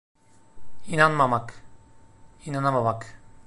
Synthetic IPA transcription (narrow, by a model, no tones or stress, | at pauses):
inanmamak | inanamamak